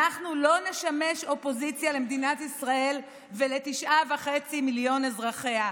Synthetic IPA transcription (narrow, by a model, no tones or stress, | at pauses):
aχnulo̞ne̞ʃame̞ʃo̞po̞zit͡sjalemed̪inat̪isʁaʔe̞l | vele̞t̪iʃʔavaχe̞t͡similjo̞nezʁaχe̞a